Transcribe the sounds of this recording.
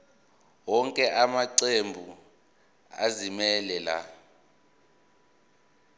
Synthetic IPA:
wɔŋkʼɛʔamaǀembʱu | a̰zimɛlɛla̰

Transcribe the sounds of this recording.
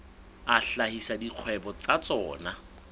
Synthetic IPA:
aɬahisadiq͡χʰwɛbɔt͡sat͡sɔ̰ːna

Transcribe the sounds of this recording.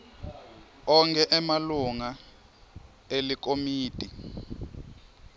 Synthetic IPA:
ɔŋkɛʔɛmaluŋa | elikomiːtʼi

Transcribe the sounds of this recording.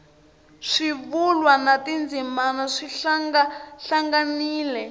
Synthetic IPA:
ʂiβulwanatind͡zimanaʂiɬŋɡaɬaŋɡaniːlɛ

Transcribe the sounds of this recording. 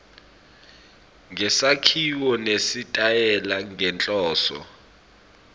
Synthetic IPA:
ŋʱɛsakʰiwɔnesitʼajɛlaŋɛnt͡ɬʼɔːsɔ̰

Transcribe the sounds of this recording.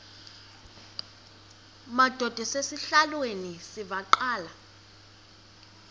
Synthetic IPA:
mad̥ʱɔd̥ʱɔsesiɬalwenisivaǃaːla

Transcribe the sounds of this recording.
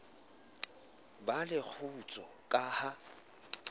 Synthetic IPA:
balɪk͡xʰut͡sʼɔkʼaha

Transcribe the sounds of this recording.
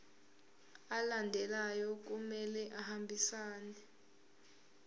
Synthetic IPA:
alandʱɛlajɔk̬umɛlɛʔahambʱisaːnɛɛ

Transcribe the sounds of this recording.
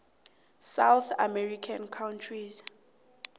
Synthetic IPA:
sawθamɛrikʰankʰawntʰriz

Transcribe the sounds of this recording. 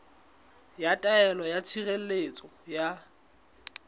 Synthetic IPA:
jatʼaɛlɔjat͡sʰirel̩let͡sʼɔja

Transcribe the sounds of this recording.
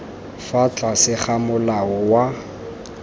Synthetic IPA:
fat͡ɬʼasɪχamʊlaɔwa

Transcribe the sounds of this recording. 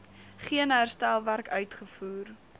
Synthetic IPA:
χiənɦærstælˠværkœɥtχəfuːr

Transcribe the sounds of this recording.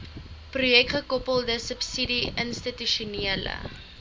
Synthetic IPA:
prujɛk̚tχəkɔpəlˠdəsəpsidiənstityʃuniələ̰

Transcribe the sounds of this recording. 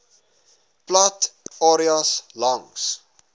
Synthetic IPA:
platɑɾiaslaŋs

